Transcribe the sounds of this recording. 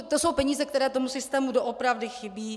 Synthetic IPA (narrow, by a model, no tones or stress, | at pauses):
t̪osowpɛɲiːzɛkt̪ɛɾɛːt̪o̞musɪst̪ɛːmudoʔopɾavdɪxɪbiː